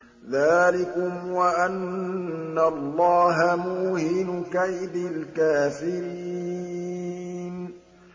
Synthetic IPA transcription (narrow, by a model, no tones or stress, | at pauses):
ðaːlɪkʊmwaʔanː | alˤːɑːɦamuːhɪnʊkaʔbɪlkaːfɪɾiː | n